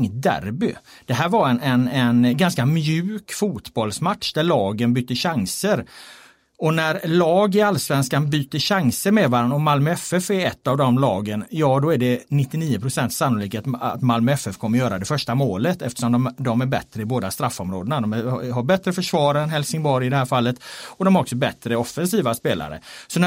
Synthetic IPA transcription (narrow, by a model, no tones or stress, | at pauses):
ŋt̪̚d̪æ̰ɾbʏ̰ | d̪̥ɛɦæːɾvaɾɛnɛnɛnɡanskamjʉ̟ːkfuːt̪bɔlsmat̪ʂd̪æɭɑːɡənbyːt̪ːəɕaŋsəɾ | ɔnæɾlɑːɡɪalːsvɛnskanbyːt̪ːəɕaŋsəɾmeːvaːɾanɔmalmœɛfɛfæɾɛt̪ːavd̪ɔmlɑːɡənjɑːd̪ɔæɖɛnɪt̪ːɪniːəpʰɾʊsɛnt̪sanːʊliːkat̪a̰t̪malmœɛfɛfkʰɔmːəɾjœːɾad̪ɛfœʂʈamoːlət̪ɛft̪əʂɔmd̪ɔmd̪ɔmæɾbɛt̪ɾəɪboːd̪ast̪ɾafːɔmɾoːd̪ənad̪ɔmæɦaɾbɛt̪ɾəfœʂvɑːɾɛnɦɛlsɪŋbɔɾjɪd̪ɛhæːɾfalːət̪ɔd̪ɔmhɾɔksɔbɛt̪ːɾəɔfːɛnsiːvaspeːla̰ɾə̰sɔn